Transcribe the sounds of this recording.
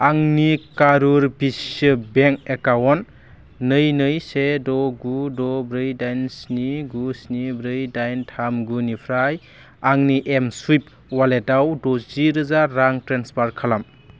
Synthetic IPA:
aŋnikaɾuɾbisɯbeŋkekawɔnː | ɯjnɯjsedɔɡudɔbɾɯjdajnsniɡusnibɾɯjdajntʰamɡunipʰɾaj | aŋniʔemswip̚ | waletawdoziɾɯzaːaŋtɾenspaɾkʰalam

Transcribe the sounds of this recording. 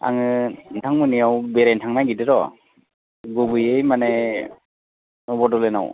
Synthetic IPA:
a̰ŋɯntʰaŋmɯnijawbeɾajntʰaŋnajɡidɯɾɔ | ɡubɯjejmane | nɔbɔdɔlena̰w

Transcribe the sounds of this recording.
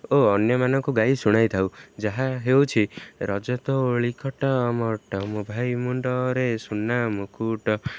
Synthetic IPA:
oɔnjɔmanɔŋkuɡajsuɽ̃ajt̪ʰawd͡ʒaɦaɦewt͡ʃʰiɾɔd͡ʒɔt̪ɔɭikʰɔʈɔmɔʈɔmubʱajmuɳɖɔɾesunamukʰuʈɔ

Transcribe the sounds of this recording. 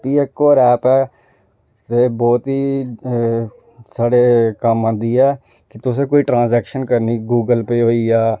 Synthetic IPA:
piːeːkːoːɾɛːpɛː | seːbɔːt̪ɦiː | saːɽeːkəmãːnd̪iːɛː | kɪt̪ʊs̬ẽːkoːiːʈɾãːnzɛːkʃənkəɾniːɡuːɡəlpeːɦoːiːaː

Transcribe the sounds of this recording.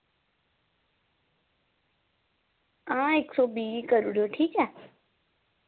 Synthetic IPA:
ãːeːksɔːbiːikəɾuɽjoːʈʰiːkɦɛː

